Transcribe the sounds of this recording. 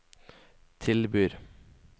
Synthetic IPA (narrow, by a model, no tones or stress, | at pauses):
t̪ʰɪlbyːɾ